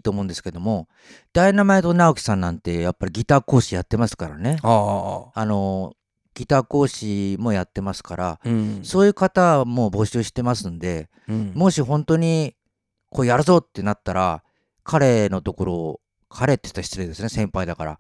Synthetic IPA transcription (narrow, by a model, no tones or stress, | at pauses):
t̪o̞ːmõnd̪e̞sɨ̥ke̞d̪o̞mo̞ | d̪̥ainamaet̪o̞naokʲi̥sãnːãnt̪e̞japːaɾʲiɡʲit̪aːko̞ːɕijat̪ːe̞masɨ̥kaɾa̰ne̞aano̞ | ɡ̥ʲit̪aːko̞ːɕimo̞jat̪ːe̞masɨ̥kaɾaso̞ːjɯ̟ːkat̪amo̞bo̞ɕɨːɕi̥t̪e̞masɨnd̪e̞ | mo̞ɕiɦõ̞nt̪o̞ɲ̟i | kʰo̞ːjaɾɯ̟zo̞t̪ːe̞nat̪ːaɾa | kʰaɾe̞no̞t̪o̞ko̞ɾo̞ | kʰaɾe̞t̪ːe̥i̥t̪ːaɕʲçi̥t͡sɨɾed̪e̞sɨn̞sẽ̞mpaid̪akaɾa̰